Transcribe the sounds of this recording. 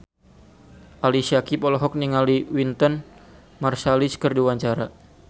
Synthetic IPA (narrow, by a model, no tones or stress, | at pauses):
ʔalisiakipɔlɔɦɔk̚niŋaliwint̪ɔn | marsaliskərdiwaɲt͡ʃaɾa